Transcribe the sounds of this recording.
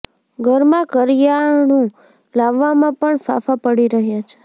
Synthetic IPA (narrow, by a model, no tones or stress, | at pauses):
ɡʱəɾmãkəɾjaɳũ | laʋːamãpəɳfa̰fapəɽiɾəɦjat͡ʃʰe̥